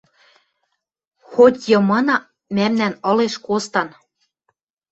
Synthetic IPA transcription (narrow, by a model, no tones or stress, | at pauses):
xot̪ʲjɤ̆mɤ̆nɑ̆ | mæmnænɤ̆leʃkost̪ɑn